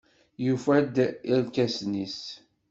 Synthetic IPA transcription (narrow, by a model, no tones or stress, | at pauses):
jufæd̪iɾkæsnis